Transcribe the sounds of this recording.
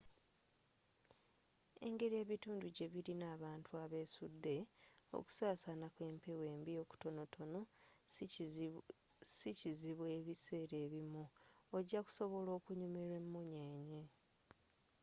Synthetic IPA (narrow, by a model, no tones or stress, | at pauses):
e̞̰ŋɡe̞ɾie̞ːβituːnduɟe̞βiɾinaːβaːntuaβe̞ːsudːe̞o̰ku̥saːsanakwe̞ːmpewe̞ːmbio̞ku̥to̞no̞tʰo̞no | siciziβwe̞βise̞ːɾe̞ːβimuoɟːaku̥so̞βo̞lo̞ːkuɲumeɾemːuɲeːɲe̞